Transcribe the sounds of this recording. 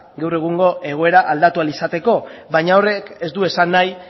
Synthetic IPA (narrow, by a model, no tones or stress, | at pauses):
ɡawre̞ɣuŋɡo̞ʔe̞ɣ̞o̞e̞ɾaʔald̪at̪ualisat̪e̞ko̞βaɲaore̞ke̞zd̪ue̞sanːaj